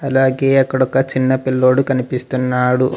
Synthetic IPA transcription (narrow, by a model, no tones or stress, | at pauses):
ɐlaːɡeːɐkːɐɽɔkːɐt͡ʃinːɐpilːo̞ːɽukɐnipist̪unːaːɽu